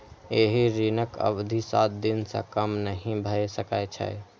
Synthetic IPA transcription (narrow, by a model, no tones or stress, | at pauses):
eɦiɾinəkə̰bd̪ʱisat̪̚d̪insə̰̃kəmnəɦĩbʱəesəkajt͡ʃʰə̰j